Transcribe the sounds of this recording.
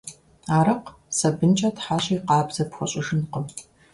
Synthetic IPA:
aːɾɨq | sɐbɨnt͡ʃʼɐtħaːɕʼɐiqɑːbzɐpxʷʊɕʼɪʒɨnqəm

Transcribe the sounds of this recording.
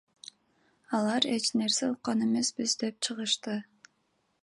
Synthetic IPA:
ɑlˠɑɾe̞t͡ʃne̞ɾseuq̚qːɑne̞me̞sbizd̪e̞p̚t͡ʃʰɯʁɯʃt̪ɯ

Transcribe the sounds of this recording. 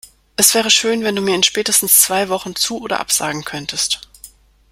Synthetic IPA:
ʔɛsv̥ɛːʁ̞əʃøːnvɛnduːmiːɐɪnʃpɛːtəstn̩st͡sv̥aɪvɔχn̩t͡suːʔoːdɐ̰ʔa̰pz̥a̰ːɡŋ̩kʰœntʰəst

